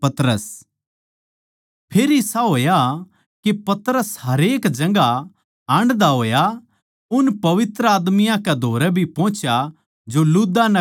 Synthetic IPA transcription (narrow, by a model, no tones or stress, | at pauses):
pɐt̪ɾəs | pʰeːɾɪsaɦoːja | kepɐt̪ɾəsɦɐɾeːkd͡ʒɐ̃ŋɡa | aːɳɖd̪aɦoːja | ʊnpɐʋɪt̪ɾəaːd̪mɪjãkɛd̪ʱoːɾɛbʱipɔ̃ːt͡ʃja | d͡ʒolud̪anɐ